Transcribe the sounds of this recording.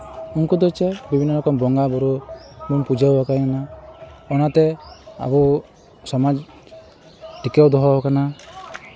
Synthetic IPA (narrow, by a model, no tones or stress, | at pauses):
uŋkɔd̪ɔjt͡ʃɛbibʱinːɔlɔkɔmbɔŋɡabɔɾɔbunpud͡ʒawakajanaɔnat̪ɛa̰bu | sɔmad͡ʒ | ʈikɛwd̪ɔɦɔɦɔkana